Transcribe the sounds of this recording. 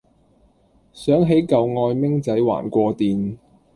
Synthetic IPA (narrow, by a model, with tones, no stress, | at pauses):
sœː˨˥ŋɦe˨˥jkɐ˨wŋɔː˧jmɪ˥ŋt͡sɐ˨˥jwa̰ː˨˩nkʷɔː˧t̪iː˨n